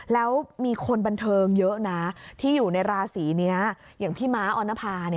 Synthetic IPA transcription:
lɛː˦˥wmiː˧kʰo˧nba˧nt̪ʰɤː˧ŋjɤ˦˥ʔna˦˥t̪ʰiː˥˩juː˨˩na˧jɾaː˧siː˩˦ni˦˥ɐ | jaː˨˩ŋpʰiː˥˩maː˦˥ʔɔː˧nːa˦˥pʰaː˧ni˥˩

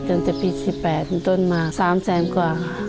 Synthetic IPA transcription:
t̪ɯ˧˩ŋt̪ɛː˨˩piː˧˩si˨˧˩ppɛː˨˩t̪̚hnt̪o˧˥˨nmaː˧˩saː˨˦msɛː˨˦nkwaː˨˩˧

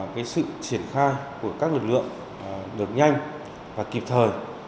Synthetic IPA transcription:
kaː˨˦jsɨ̰˧˨t͡ɕi˧˩ənxaː˧jku˧˩əkaː˦˥k̚lɨ˨˩k̚lɨ̰˧˨əŋ | ɗɨ˨˩ət̚ɲa˧jŋ | vaː˨˩ki˨˩p̚t̪ʰəː˨˩j

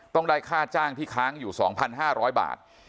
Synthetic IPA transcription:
t̪ɔ˥˩ŋdaː˥˩jkʰaː˥˩t̪̚t͡ɕaː˥˩ŋt̪ʰiː˥˩kʰaː˦˥ŋjuː˨˩sɔ̰ː˩˦ŋpʰa˧nɦaː˥˩ɾɔː˦˥jba̰ː˨˩t̪̚

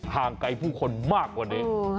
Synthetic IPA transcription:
haː˨˩ŋka˧jpʰuː˥˩kʰo˧nmaː˥˩kːwaː˧˩ne˧˦

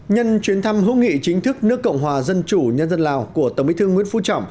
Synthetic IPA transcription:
ɲə˧nt͡ɕwi˨˦ənt̪ʰa˧mɦɨ̰˧˥ŋḭ˧˨t͡ɕï˨˦ŋ̟t̪ʰɨ˦˥k̚nɨ˦˥əkːə̰˧˨wŋ͡mɦwaː˨˩zə˧nt͡ɕu˧˩ɲə˧nzə˧nlaː˨˩wku˧˩ət̪ə˧˩ŋ͡mmḭ˧˥t̪ʰɨ˧ŋwḭ˧˥ənfṵ˧˥t͡ɕɔ̰˧˨wŋ͡m

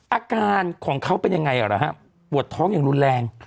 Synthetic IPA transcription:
ʔaː˧kaː˧nkʰɔː˩˦ŋkʰa˦˥wpe˧nja˧ŋːa˧jʔaː˨˩ɾa˦˩ɦa˦˥ | pu˨˩ət̪ʰːɔː˦˥ŋjaː˨˩ŋɾu˧nlɛː˧ŋ

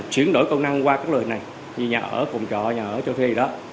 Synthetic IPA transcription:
t͡ɕwi˨˦ənɗo̰˧˦jkə˧wna˧ŋkwaː˧kaː˦˥klna˨˩j | i˨˩ɲaː˨˩ʔəː˧˦fɔ˨˩wŋ͡mt͡ɕɔ˨˩ɲaː˨˩ʔəː˧˩˦t͡ɕɔ˧wt̪ʰe˨˦zi˨˩ɗɔ˨˦

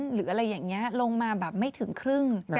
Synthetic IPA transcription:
nɾɯː˩˦ʔa˧ɾa˧jːaː˨˩ŋni˦˥ɐlo˧ŋmaː˧bɛː˨˩p̚ma˥˩jt̪ʰɯ˩˦ŋkʰɾɯ˥˩ŋ

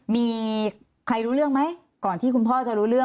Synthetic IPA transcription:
miː˧ | kʰɾa˧jɾuː˦˥ɾɯ˥˩əŋma˦˥j | kɔː˨˩nt̪ʰiː˥˩ku˧npʰɔː˥˩t͡ɕa˨˩ɾuː˦˥ɾɯ˥˩əŋ

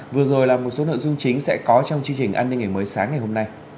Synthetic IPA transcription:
vɨ˨˩əzo˨˩jlaː˨˩mo˨˩t̚so˨˦no̰˧˨zʊ˧ŋ͡mt͡ɕï˨˦ŋ̟sɛ̰˧˥kɔ˨˦t͡ɕɔ˧wŋ͡mt͡ɕi˧əŋt͡ɕï˨˩ŋ̟ʔaː˧nːi˧ŋ̟ŋaː˨˩məː˨˦jsaː˨˦ŋːa˨˩jɦo˧mna˧j

